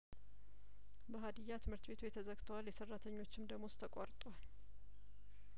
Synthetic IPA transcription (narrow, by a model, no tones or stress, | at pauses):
bəɦad̪ɨjːat̪ʰɨmhɨɾt̪be̞t̪ʰujɛt̪ʰəzəɡt̪ʰəwaljɛsərːat̪ʰəɲːo̞t͡ʃːɪmd̪əɡmo̞st̪ʰəkʼaɾt̪ʼowal